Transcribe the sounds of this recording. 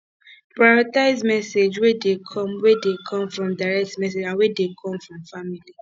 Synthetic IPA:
pɹaɔtaɪzmɛsed͡ʒwedekʰɔ̃mwedekʰɔ̃mfɹɔ̃mdaɾɛk̚tmɛs̬ed͡ʒãnwedekʰɔ̃mfɹɔ̃mfamili

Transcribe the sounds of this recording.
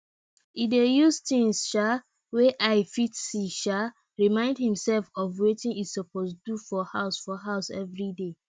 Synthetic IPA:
idejustĩŋsʃa | weʔaɪfitsiʃa | ɹimãɪ̃ndhĩmsɛlfɔvwetĩŋisɔpʰosdufɔhaʊsfɔɦaʊsɛ̰vɹide

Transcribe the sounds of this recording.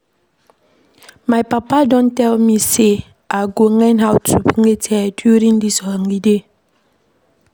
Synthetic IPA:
majpapadontɛlmise | aɡoŋɛnɦawtʰupiŋetʰɛdjuɾiŋdisɔhɔŋɡide

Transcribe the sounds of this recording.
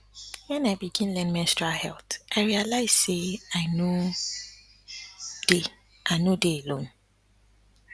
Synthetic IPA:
wɛ̃naɪbiɡĩnlɛ̃nmɛ̃nstɹahɛ̰ltʔaɪɹialaɪz̥seaɪno | d̥e | ʔaɪnodeelõn

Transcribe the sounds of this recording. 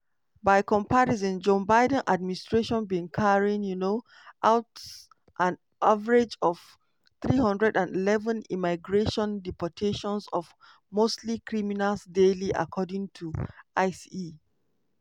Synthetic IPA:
baɪkɔ̃mpʰaɹiz̬ĩnd͡ʒõbaɪdə̃nʔa̰d̚ministɹeʃɔ̃nbiĩŋkʰaɹĩŋjuno | ʔawt | ʔãn | ʔavaɹed͡ʒɔv̥ | θɹihʌ̃ndɹɛdãndilɛvə̃nḭmaɪɡɹeʃɔ̃ndipɔtʰeʃɔ̃nsɔv | mostʰlikʰɹiminalsdeliʔa̰kʰɔdɪ̃ŋtʰuʔaɪsii

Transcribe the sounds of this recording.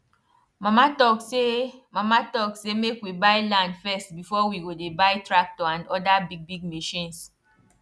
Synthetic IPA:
mamatɔksemamatɔksemekwibajlãndfɛstbifɔwiɡodebajtɹak̚tɔãndɔdabiɡ̚biɡmeʃĩns

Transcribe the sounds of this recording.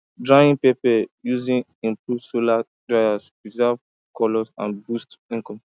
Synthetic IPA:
dɹaĩnpepɛjuzĩn | ĩmpɹuvsola | dɹaasɹizɛv | kɔlɔsã̰nbustĩŋkɔ̃m

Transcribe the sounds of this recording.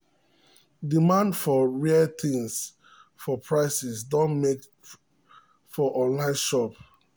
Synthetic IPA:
dimãndfɔɹiət̪ĩŋs | fɔpʰɹaɪsɛsdõnmek | fɔʔɔ̃nlãɪ̃nʃɔp

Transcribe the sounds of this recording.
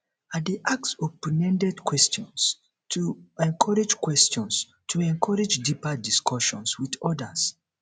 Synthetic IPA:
adeʔaksɔpɔnɛ̃ndɛdkwɛstɔ̃ns | tʰuɛ̃ŋkʰɔɹɛd͡ʒkwɛstɔ̃ns | tʰuɛ̃ŋkʰɔɹɛd͡ʒdipadiskʰɔʃɔ̃nswiðɔdas

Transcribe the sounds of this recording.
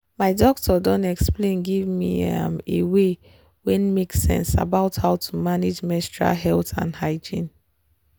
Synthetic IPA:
maɪdɔk̚tʰɔdɔ̃nɛksplẽnɡivmiã̰mewe | wɛ̃nmeksɛ̰̃nsa̰baʊthaʊtʰu̥maned͡ʒmɛstɹa̰ɦɛltã̰nhaɪd͡ʒĩn

